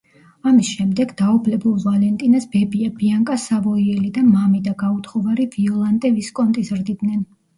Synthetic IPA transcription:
amisʃɛmd̪ɛɡd̪aɔbʰlɛbulˠvalɛnt̪ʼinasbɛbiabiaŋkʼasavɔiɛlid̪amamid̪aɡaut̪ʰχɔvaɾiviɔlˠand̪ʼɛviskʼɔnt̪ʼizɾd̪id̪nɛn

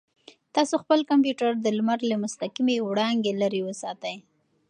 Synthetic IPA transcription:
t̪ɑsoxpəlkampjuʈaɾd̪əlmaɾləmʊst̪aqimewɽɑŋɡelaɾiwəsɑt̪əj

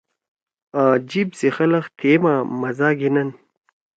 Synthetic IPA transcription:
aːd͡ʑibsexɐlɐxt̪ʰeːmaːmɐzaːɡinɐn

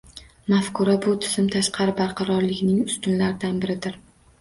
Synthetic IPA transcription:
mafkʰʊɾabʊt̪ʰɪ̥zɪmt̪ʰaʃqʰɑɾɪbaɾqʰɑɾɒɾlɪɡʲnɪŋʊst̪ʊnlaɾɪd̪anbɪɾɪd̪ɪɾ

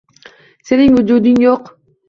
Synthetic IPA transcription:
seniŋud͡ʒud̪yŋjoq

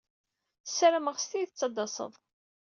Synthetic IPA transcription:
θsɾəməʁst̪iθət͡sːɑd̪ɑsˤə̰ðˤ

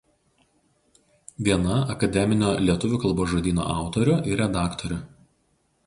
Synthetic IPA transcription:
ʋʲiɛnɐɐkɐd̪ʲɛmʲɪnʲoːlʲiɛt̪ʊʋʲʊkɐlˠboːʒod̪ʲiːno̰ːʔɑˑʊt̪ɔɾʲʊʔɪɾʲɛd̪ɑːkt̪ɔɾʲʊ

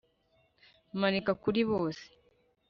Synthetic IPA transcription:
manikakuliβoːse̥

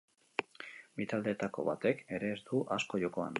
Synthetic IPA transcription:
bit̪ald̪e̞ːt̪ako̞̰βat̪e̞ke̞ɾe̞ːzd̪uʔasko̞jo̞ko̞a̰n

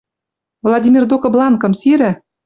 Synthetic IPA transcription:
vlˠadʲimʲird̪okɤ̆blˠɑnkɤ̆msiɾɘ̆

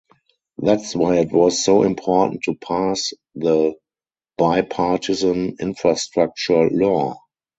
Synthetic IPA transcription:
ðætswaɪɪtwɔsːoʊʔɪ̰̃mpʰɔːʔn̩tʰːupʰas | ðə | b̥aɪpʰatʰɪzə̃nɪ̃nfɹastɹak̚t͡ʃuɹəlɔ

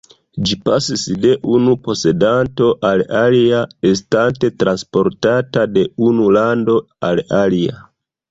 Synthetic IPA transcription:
d͡ʒipasisde̞ʔunupo̞se̞danto̞ʔalaliaes̬tante̞tɾanspo̞ɾtatade̞unulando̞ | alalia̰

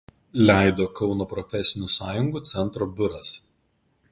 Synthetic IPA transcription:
lʲæˑɪd̪oːkɒʊnoːpɾɔfʲɛsʲɪnʲusɑːjʊŋɡuːˑt̪sʲɛnˑt̪ɾoːbʲʊɾɐs

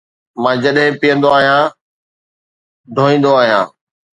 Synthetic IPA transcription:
mãːd͡ʑɐɗɦɪ̃pijə̃nd̪oaːɦijãː | d̪ʱoːĩːn̆d̪oaːɦijãː

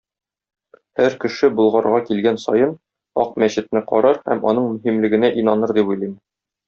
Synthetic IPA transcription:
hæɾkɘ̆ʃɘbŭlˠʁɑɾʁɑkilɡænsɒjɤn | ɒq̚mæɕɘ̆t̪̚nɘqɒ̰ɾɑɾhæ̰mɒ̰n̪ɤɴmɵ̆ɦimlɘ̆ɡɘ̆næʔinɑnɤɾd̪ipujlˠim

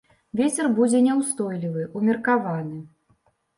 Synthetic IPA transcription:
vʲet͡sʲɛrbud͡zʲɛnʲɛwst̪ɔjlʲivɨʔumʲirkavanɨ

